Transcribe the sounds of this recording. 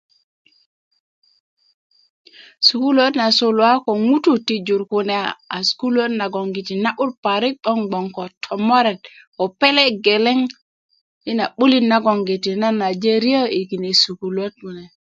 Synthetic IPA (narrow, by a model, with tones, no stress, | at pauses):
suku˦lo˦tna˨so˦lwa˦kɔ˨ŋu˦tu˦ti˨d͡ʒu˨ɾku˨nɛaa˨sku˦lo˦tna˨ɡɔ˨ŋɡi˨ti˨na˦ʔu˦lpa˨ɾi˦k̚ɗɔ˦nɡ͡bɔ˨ŋkɔ˨tʰɔ˨mɔ˦ɾɛ˨t̚ | ɔ˨pɛ˦lɛ˦ɡɛ˨lɛ˦ŋ | i˦na˨ɓu˦li˦na˦ɡɔ˨ŋɡi˨ti˨na˦na˨d͡ʒe˦ɾi˦a˦i˨ki˨ne˨su˨ku˨lo˦t̚unɛ˨